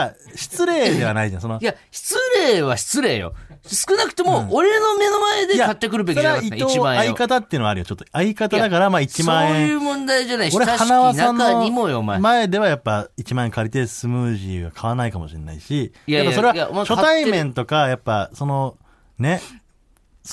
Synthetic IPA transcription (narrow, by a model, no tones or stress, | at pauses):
ɕi̥t͡sɨɾe̞ːe̞β̞anaid͡ʑãso̞nojaɕi̥t͡sɨɾeːβaɕi̥t͡sɨɾe̞ːjo̰sɨ̥kɯ̟nakɯ̟̥t̪e̞moːɾeno̞me̞no̞maed̪ejaat̪ːakɯ̟ɾɯbekʲaɾaio̞ːãaikat̪at̪ːeɯnβaɾɯ̟jot͡ɕo̞t̪ːoaikat̪ad̪akaɾamait͡ɕimãẽɯːmõnd̪aid͡ʒanaioɾehanaβaãnːoimojomamae̞d̪e̞βajapːait͡ɕimãẽŋkaɾʲit̪esɨmɯːʑiɡa̰kʰaβanaikamo̞̰ɕinːa̰iɕijad̪akaɾso̞ɾe̞βajaɕo̞t̪aimẽ̞nt̪o̞kajapːaso̞no̞ | ne̞ | s